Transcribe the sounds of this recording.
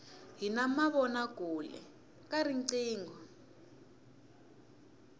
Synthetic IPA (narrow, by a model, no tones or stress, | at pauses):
ɦinamaβɔnaɡ̥ʱulɛ̰ | kʼaɾiǀiːŋɡʱɔ